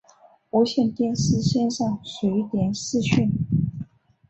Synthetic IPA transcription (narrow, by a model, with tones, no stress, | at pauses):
u˧˥ɕjɛ˥˩nt̪jɛ˥ns̩˥ɕjɛ˥nʂɑ˥˩ŋswe˧˥ɪt̪jɛ˨˩nsɹ̩˥˧ɕy˥˩n